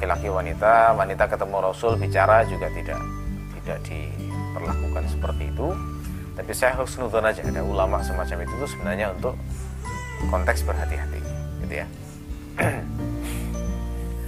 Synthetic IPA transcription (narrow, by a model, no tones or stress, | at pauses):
kilakiwanit̪awanit̪akət̪əmurosʊlbit͡ʃaɾad͡ʒuɡaʔt̪ida̰ʔ | t̪idaʔdḭ | pərlakukansə̥pərt̪iːt̪u | t̪apisajaɦlʊksənunt̪ʊnad͡ʒa̰daulamaʔsəmat͡ʃamit̪ut̪usəbənarɲaunt̪ʊk | kɔnt̪ɛksbərɦat̪iɦat̪ḭɡit̪ṵja̰